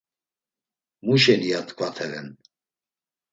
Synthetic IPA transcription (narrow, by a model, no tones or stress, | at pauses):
muʃɛniat̪ʰʼkʰʼvat̪ʰɛɾɛn